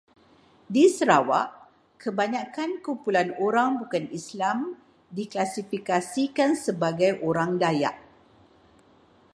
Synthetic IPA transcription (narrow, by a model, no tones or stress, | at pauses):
disəɾawa̰ʔ | kʰəbaɲãkankumpulanoɾaŋbukanislam | diklasifikasikansəbaɡajʔoɾaŋdaja̰ʔ